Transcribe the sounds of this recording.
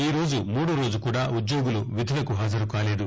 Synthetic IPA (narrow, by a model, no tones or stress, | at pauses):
iːɾo̞ːd͡ʒumuːɽuɾo̞ːd͡ʒukuːɽaːud̪joːɡuluʋid̪ʱilɐkuɦaːd͡ʒɐɾukaːle̞ːd̪u